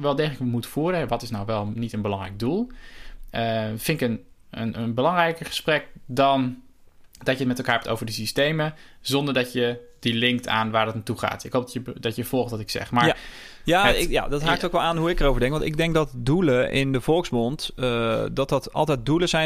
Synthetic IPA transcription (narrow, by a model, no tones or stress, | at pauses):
ʋɛlˠdeələkʋəmutəfuːɾəɦɛʋɑtɪsnawʋɛlˠnitənbəlɑŋrɛ̰jɡ̚dulˠʔəfɪnɪkən | ənənbəlɑŋrɛjkəɹχə̥sprɛk̚dɑn | d̥ɑcjətmɛtɛlˠkaːɹɦɛptʰo̰wvəɹdəsistejmə | zɔndəɹdɑtjə | dilɪŋk̚tʰa̰ːnʋaːɹdɑtnatuχa̰ːtɪkɦowp̚dəbdɑtjəv̥ɔlˠχtɑtɪksɛ̰χma | jaːaja̰dɑtɦaːk̚tokʋɛlˠaːnɦuɪkərowvəɹdɛŋkʋɑntɪ̰ɡ̚dɛŋk̚dɑtduləʔɪ̰ndəv̥ɔlˠksbɔnt | dɑt̚dɑtɑ̰lˠtɛjt̚duləzɛ